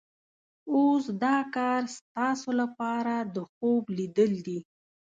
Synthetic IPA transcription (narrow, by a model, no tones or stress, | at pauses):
osd̪ɑkɑɾst̪ɑsolapɑɾad̪əxoblid̪əld̪i